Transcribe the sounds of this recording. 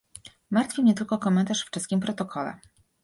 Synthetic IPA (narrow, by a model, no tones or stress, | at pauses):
maɾt̪fʲimɲɛt̪ɘlkɔkɔmɛnt̪aʂft͡ʂɘst̪̚kʲimpɾɔt̪ɔkʰɔlɛ̰